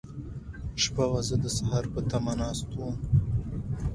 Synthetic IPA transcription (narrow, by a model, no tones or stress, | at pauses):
ʃpawazəd̪əsaɦaɾpət̪amanɑːst̪um